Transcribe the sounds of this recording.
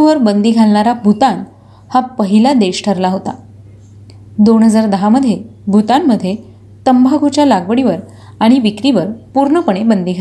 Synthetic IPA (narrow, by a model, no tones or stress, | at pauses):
ʋəɾbənd̪iːɡʱalɳaɾabʱut̪an | hapəɦilad̪eɕʈʰəɾlaɦot̪a | d̪onɦəd͡zaɾd̪əɦaməd̪ʱːjebʱut̪amːəd̪ʱːje | t̪əmbʱaɡʱut͡ɕjalaɡʋəɽiʋəɾ | aɽ̃iʋikɾiʋəɾpuɾɳəpəɽ̃ebənd̪iːɡʱa